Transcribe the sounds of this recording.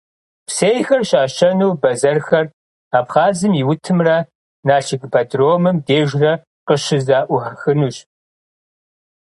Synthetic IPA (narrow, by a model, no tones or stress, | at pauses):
pseːjxɐrɕaːɕɐnuwbɐzɐrxɐr | aːpχaːzɨmiwʊtʰɨmrɐ | naːɬʰɪɡpʰɐdroːmɨmdeːʒrɐ | qəʃɪzaːʔʷʊħɐxɨnuːɕ